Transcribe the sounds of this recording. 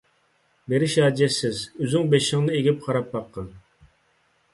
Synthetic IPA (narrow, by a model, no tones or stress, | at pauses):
beɾɪʃɑːd͡ʒɛsɪzøzɪŋbeʃɪŋnɨeɡʲip̚qʰɑɾɑp̚bɑqʰːən